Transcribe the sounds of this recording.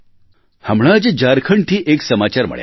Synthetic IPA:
həmɽ̃ad͡ʑd͡ʑaɾkʰəɳʈʰiːʔeksəmat͡ɕaɾmə̰ɭj̰

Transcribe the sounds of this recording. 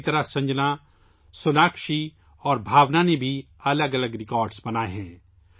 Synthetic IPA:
t̪ɐɾasɐ̃ɲd͡ʒna | sʊnaːkʃi | ɔːɾbʱaːʋnanebʱi | ɐləɡɐləɡɾɪkɔːɾɖsbɐnaːeɦɛ̃ː

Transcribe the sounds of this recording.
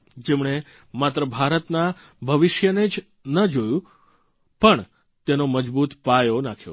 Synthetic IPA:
d͡ʒemɳ̃e | mat̪ɾəbʱaɾət̪na | bʱəʋɪʃjəned͡ʒ | nəd͡ʒojũ | pəɳ | t̪enoməd͡ʒbut̪pajonakʰjo̰

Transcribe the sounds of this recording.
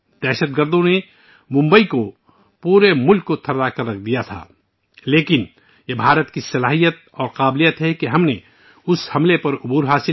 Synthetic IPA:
d̪̥ɛːʃəd̪̚ɡəɾd̪õne | mʊ̃mbəiko | puːɾemʊlkːot̪ʰɐɾd̪akɐɾːɐkʰd̪ijat̪ʰa̰ː | leːkɪn | jebʱaːɾət̪kisɐlaːɦijət̪̚ɔːɾqaːblijət̪ɦɛkiɦɐmne | ʊshɐmlepɐɾʊbuːɾɦaːsɪ

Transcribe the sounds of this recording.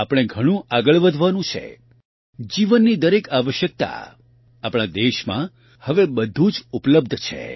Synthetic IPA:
apɽ̃eɡʱəɽ̃ũʔaɡəɭʋəd̪ʱʋanũt͡ʃʰḛ | d͡ʒiʋənːid̪əɾekaʋəʃjək̚t̪a̰ | apɽ̃ad̪eʃmã̰ | həʋebəd̪ʱũd͡ʒupləb̚d̪ʱt͡ʃʰḛ

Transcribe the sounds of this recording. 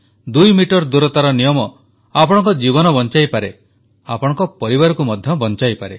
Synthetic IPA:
d̪ujmiʈɔɾd̪uɾɔt̪aɾɔnijɔmɔ | apɔɽ̃ɔ̃ŋkɔd͡ʒiβɔnɔbɔnt͡ʃajpaɾe | apɔɽ̃ɔ̃ŋkɔpɔɾibaɾɔkumɔd̪ʱjɔbɔnt͡ʃajpaɾe

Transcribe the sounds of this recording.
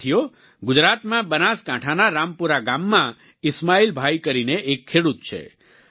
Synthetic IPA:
ijo | ɡʊd͡ʒɾat̪mãbənaskãʈʰanaɾampuɾaɡamːã | ɪsmailbʱajkəɾineʔːkʰːeɽut̪̚t͡ʃʰḛ

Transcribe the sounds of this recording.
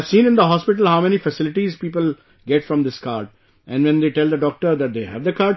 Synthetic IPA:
ʋsĩːnɪ̃nd̪əɦɔːspɪʈ̬əl̩ɦaʊmɛnifəsɪlɪʈizpiːpəl | ɡɛʈfɾɔ̃md̪ɪskaːɾɖ | ʔɛ̃nɖʋɛ̃nd̪eːʈɛld̪əɖɔːk̚ʈəɾd̪æʈ̚d̪eːhæ̰ʋd̪əkaːɾɖ

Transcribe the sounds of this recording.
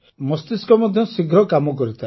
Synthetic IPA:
mɔst̪iskɔmɔd̪ʱjɔsiɡɾɔkamɔkɔɾit̪ʰa

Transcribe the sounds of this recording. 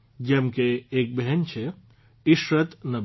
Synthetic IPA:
d͡ʒɐmkeeːk̚bɛɦɛnt͡ʃʰe | ɪʃɾət̪nɐ

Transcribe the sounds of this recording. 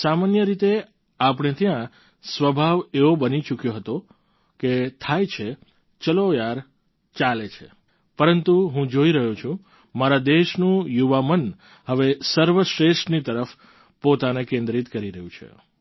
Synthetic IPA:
samanjəɾit̪e | ap̬əɽ̃et̪jã | sʋəbʱaʋeʋobənit͡ʃukjoɦət̪o | ket̪ʰajt͡ʃʰe | t͡ʃəlojaɾ | t͡ʃalet͡ʃʰḛ | pəɾənt̪uɦũd͡ʒoiɾəɦũt͡ʃʰũ | maɾad̪eʃnũjuʋamən | həʋesəɾʋəʃɾeʃʈnit̪əɾəf | pot̪anekẽnd̪ɾit̪kəɾiɾəɦjũt͡ʃʰḛ

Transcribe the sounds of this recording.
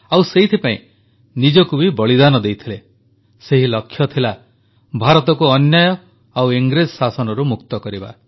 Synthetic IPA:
awseɦit̪ʰipaḭ̃ | nid͡ʒɔkubibɔɭid̪anɔd̪ejt̪ʰile | seɦilɔkʰːjɔt̪ʰila | bʱaɾɔt̪ɔkuɔnjajɔ | awiŋɡɾed͡ʒɔsasɔnɔɾumukt̪ɔkɔɾiba̰

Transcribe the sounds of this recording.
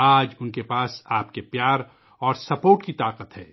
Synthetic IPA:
aːd͡ʒʊnkepaːsaːpkepjaːɾ | ɔːɾsɐpoːɾʈkit̪aːqət̪ɦɛː

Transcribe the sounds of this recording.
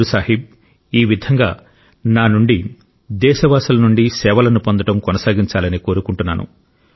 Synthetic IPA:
usaːɦib̚ | iːʋid̪ʱɐŋɡaː | naːnuɳɖi | d̪ɛːʃɐʋaːsɐlɐnuɳɖisɛːʋɐlɐnupond̪ɐʈɐmkɔnɐsaːɡiɲt͡ʃaːlɐniko̞ːɾukuɳʈunːa̰ːnṵ

